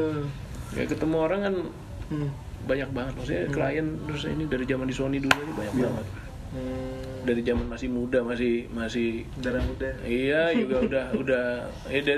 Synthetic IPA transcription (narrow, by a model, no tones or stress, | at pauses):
ka̰a̰kət̪əmuoɾaŋkan | baɲak̚baŋət̪̚masiakəla̰jant̪ɾʊsḭnidaɾid͡ʒamandisoniduluasibaɲak̚baŋət̪̚ | daɾid͡ʒamanmasɪhmudamasɪhmasɪhdaɾamudaijad͡ʒuɡaudahudah | ɛda